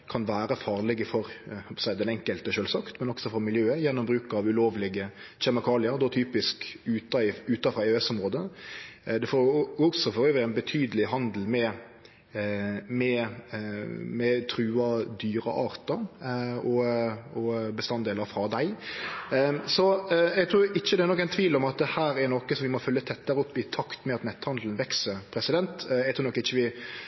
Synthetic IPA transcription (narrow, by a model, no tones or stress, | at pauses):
kʰɑnʋæːɾəfɑːɾlɛɡəfɔɾhɔpʰɔsæɪd̪ɛnɛŋkəlt̪əʃøːlsɑːkt̪mɛnɔksɔfɔɾmɪljøːəjɛnːɔmbɾʉːkɑʋʉloːʋlɪɡə | ɕɛmɪkʰɑːlɪəɾd̪ɔt̪ʰyːpɪskʉːt̪ɑʉːt̪ɑfɾɑɛɛsɔmʁoːd̪ə | d̪ɛfoːɔksɔfɔɾøːʋəænbət̪ʰyːd̪əlɪɦɑnd̪l̩mɛ | mɛ | mɛt̪ʰɾʉːɑd̪yːɾə̰ʔɑːɾt̪əɾɔɔbəst̪ɑnd̪eːləɾfɾɑd̪æɪ | sɔɛɡt̪ʰɾuːɾɪçːəd̪ɛæɾnɔkːæɪnt̪ʰʋiːlɔmɑt̪̚d̪ɛhæːɾæɾnɔkəsɔmʋɪmɔfœlːət̪ʰɛt̪ːəɾəɔpːɪt̪ʰɑkt̪mɛɑt̪mɛt̪ːhɑnd̪l̩ən̩ʋɛksəɾpʰɾɛsɪd̪ɛnt̪ɛɡt̪ʰuːnɔkːɪçːəʋɪ